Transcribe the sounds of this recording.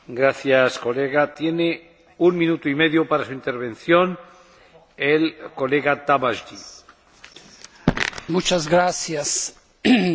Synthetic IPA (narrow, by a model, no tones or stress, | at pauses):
ɡɾaθjaskoleɣat̪jene | uŋmĩnut̪oimeðjopaɾasuint̪eɾβ̞ẽnθjon | elkoleɣat̪aβaʒʎi | mut͡ʃazɣɾasjas